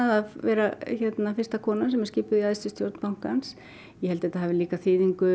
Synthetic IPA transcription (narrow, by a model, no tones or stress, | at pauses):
aðaðvɛːɾaçɛt̪nafɪr̥st̪akʰɔːnasɛmɛɾscɪːpʏðiaðst̪ʏst̪joɾt̪npawŋ̥kans | jɛhɛlt̪ɪɛt̪ahaːvɪliːkaθɪːðiŋkʏ